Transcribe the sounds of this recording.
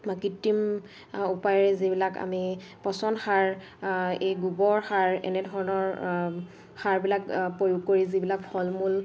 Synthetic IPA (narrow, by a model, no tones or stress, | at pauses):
makitːim | upajɔɹɛzibilaka̰mi | pɔsɔnxaɹ | ejɡubɔɹxaɹɛ̰nɛdʱɔɹɔnɔɹ | xaɹbilakpɹojʊɡ̚kːoɹizibilakpʰɔlmul